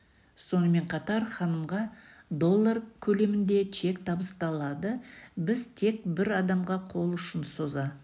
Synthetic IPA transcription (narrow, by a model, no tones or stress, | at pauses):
so̞nəme̞ɴqʰɑt̪ɑɾχɑnəmʁɑd̪o̞lˠːaɾkʲʰɵle̞mɪnd̪e̞t͡ʃʰe̞kt̪ʰɑbəst̪ɑlˠɑd̪əbɪzt̪ʰe̞k̚bɪɾɑd̪ɑmʁɑqʰo̞lˠʏʃɪnso̞zɑ